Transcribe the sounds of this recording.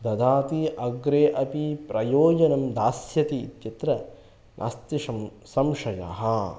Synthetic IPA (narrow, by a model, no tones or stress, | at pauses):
d̪ɐd̪ʱaːt̪iʔɐɡɾeːʔɐpipɾɐjoːd͡ʒɐnɐmd̪aːsjɐt̪iːt̪jɐt̪ɾɐ | nʔa̰ːst̪iʂɐm | sɐmʂɐja̰ɦɐ